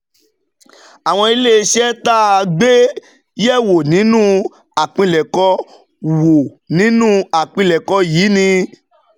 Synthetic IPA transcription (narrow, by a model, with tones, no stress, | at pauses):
a˨w̃ɔ̃˧i˧le˦˧ʃɛ˦ta˦˧ɡ͡be˦ | jɛ˦˨wo˨nĩ˨˦nũ˦ | a˨k͡pĩ˧lɛ˨kɔ˧˦ | wo˨ | nĩ˨˦nũ˦a˨k͡pĩ˧lɛ˨kɔ˧jiː˨˦nĩ˧